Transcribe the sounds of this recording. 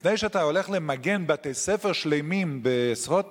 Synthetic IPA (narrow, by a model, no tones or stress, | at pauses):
nejʃɛataoleχlemaɡenbatesɛfeʁʃlejmimbeːsʁot